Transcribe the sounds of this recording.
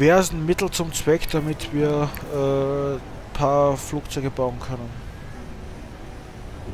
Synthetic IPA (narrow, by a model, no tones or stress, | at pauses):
vɛɐzn̩mɪtl̩t͡sʊmt͡sv̥ɛkd̥amɪtv̥iːɐʔɛː | pʰaːɐfluːkt͡sɔʏɡəbaʊnkʰœnən